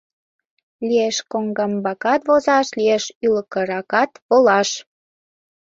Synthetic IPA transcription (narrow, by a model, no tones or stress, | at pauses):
lieʃkoŋɡɑmbɑkɑt̪βozɑʃlieʃyləkə̆ɾɑkɑt̪βolɑʃ